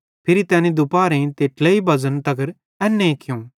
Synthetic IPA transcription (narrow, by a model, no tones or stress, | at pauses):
pʰɪɾit̪ɛːnid̪ʊpaːɾẽt̪eːʈʰleibʱɐzənt̪ɐɡəɾ | ɛːnːẽkʰɪjũː